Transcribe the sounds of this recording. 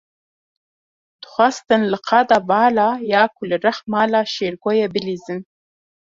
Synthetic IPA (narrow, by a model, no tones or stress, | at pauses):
t̪χʷast̪ɨnlɨqʰɑd̪avɑːlɑːjɑːkʰulɨɾaχmɑːlɑːʃeɾɡojebɪlizɨn